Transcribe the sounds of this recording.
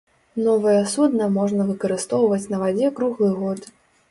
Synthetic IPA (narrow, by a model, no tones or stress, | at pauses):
nɔvɐjɐsud̪nɐmɔʐnɐvɨkɐɾɨst̪ɔwvɐt͡sʲnɐvad͡zʲɛkɾuɣlˠɨɣɔt̪